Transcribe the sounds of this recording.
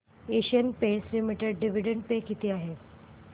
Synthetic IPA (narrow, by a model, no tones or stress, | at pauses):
eɕənpeslimiʈeɖɖiʋiɖəɳɖpekit̪ʰiːaɦe